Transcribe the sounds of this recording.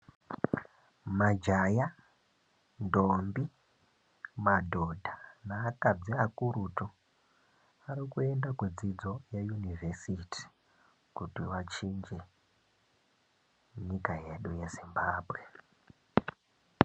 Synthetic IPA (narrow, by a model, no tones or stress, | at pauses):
mad͡ʒaja | ndombi | madʱodʱanaːkad͡ziakuɾuto | aɾikue̞ndakwed͡zid͡zo̞jajunivʱesitʰi̥ | kutiʋat͡ʃind͡ʒe | ɲikaje̞ɗujezimbaːbʱwe̞